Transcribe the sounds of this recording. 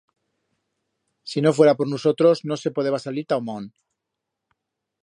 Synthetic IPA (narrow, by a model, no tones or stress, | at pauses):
sino̞f̬we̞ɾapoɾnuso̞t̪ɾo̞zno̞se̞poð̞eβasaliɾt̪awmon